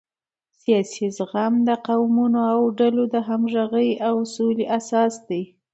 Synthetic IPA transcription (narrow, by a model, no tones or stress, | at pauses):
sijɑsizɣamd̪əqawmunoawɖalod̪əɦamʒaɣəjawsoliʔasɑsd̪aj